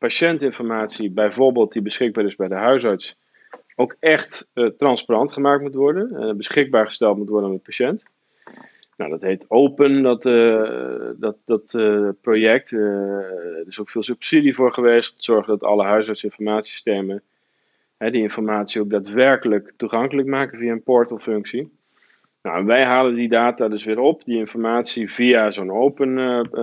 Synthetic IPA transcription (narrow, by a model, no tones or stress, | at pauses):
paʃɛntɪnfɔrmaːtsibɛjvoɹbeːlˠt̚dibəsχɪɡ̚baːɾɪzbɛjdəɦœɥsɑɹts | owkɛχttrɑnsparɑntχəmaːktmutʋɔɹdə̰bəsχɪɡ̚baːɹχə̥stɛlˠtmutʋɔɹdənmət̚paʃɛnt | nawdɔtɦeːtowpəndɔt | dɔtdɔtprojɛk̚t | dɪsowkfɪːlˠsypsidivʊːɹχəʋeːstmtəz̥ɔɹχədɔtɑ̰ləɦœɥsɑɹtsɪnfɔrmaːtsii̥steːmə | hɛdiɪnfɔrmaːtsiowkdaːtʋɛɹkələktuχɑŋkələkmaːkəviaənpɔɹtɔfʏŋksi | nawɛnʋɛjɦaːləndidaːtadøsʋɪːɾɔpdiɪnfɔrmaːsiviazonowpən